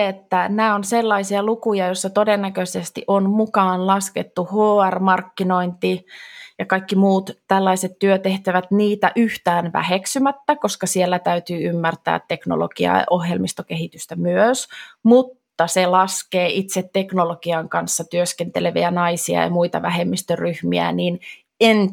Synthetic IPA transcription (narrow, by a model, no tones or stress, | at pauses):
et̪ːænæːonselːɑisiɑlukujɑjosːɑt̪odenːækøsest̪iʔonmukɑːnlɑsket̪ːuhoːærmɑrkːino̞int̪ijɑkɑikːimuːt̪t̪ælːɑiset̪tyøt̪eht̪æʋæt̪niːt̪æʔyht̪æːnʋæ̰heksymæt̪ːæko̞skɑsielːæt̪æyt̪yːymːært̪æ̰ːt̪ːe̞kno̰lo̰ɡ̥iɑ̰ʔohjelmist̪okehit̪yst̪æmyøsmut̪ːɑselɑskeːʔit̪set̪ːe̞knoloɡ̥iɑŋkɑnsːɑt̪yøskent̪eleʋḭænɑisiɑ̰jɑ̰muit̪ɑ̰ʋæhemːist̪ørrːyhmiæ̰niːn | en